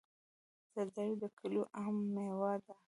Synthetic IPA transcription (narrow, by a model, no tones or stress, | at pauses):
d̪əd̪ajd̪əkʰəloʔamːewɑɾd̪a